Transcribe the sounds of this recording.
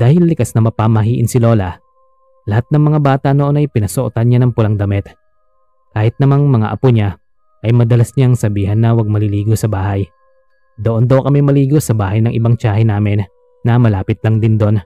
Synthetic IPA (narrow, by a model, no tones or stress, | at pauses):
d̪̥aːhɪlːɪkasnɐmɐpamɐɦiːʔɪ̰nsɪlo̞ːlɐ | lɐhat̪̚nɐŋmɐŋabaːt̪ɐnoʔo̞nɐjpɪnɐsoʔot̪anɲanɐŋpʊlɐŋd̪ɐmɛt̪ | kaːhɪt̪̚nɐmaŋmɐŋa̰ʔɐpoɲa | ʔɐjmɐd̪ɐlasɲaŋsɐbiːɦɐnːɐwɐɡ̚mɐlɪliːɡosɐbaːhɐj | d̪oʔond̪ɐwkɐmɛmɐliːɡosɐbaːhɐjnɐŋʔɪbaŋt͡ʃaːɦɪnaːmɪnː | ɐmɐlaːpɪt̪̚lɐŋd̪ɪnd̪o̞n